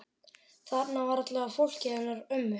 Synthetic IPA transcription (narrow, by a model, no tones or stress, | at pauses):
θapnavaɾat̪lɛɣafowl̥cɪanːaɾʏmːʏ